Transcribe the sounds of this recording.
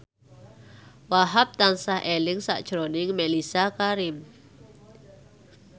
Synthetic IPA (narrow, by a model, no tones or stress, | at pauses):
waɦap̚t̪ansahʔelɪŋsa̰ʔd̥ʒ̥ɾonɪŋmelisakaɾɪm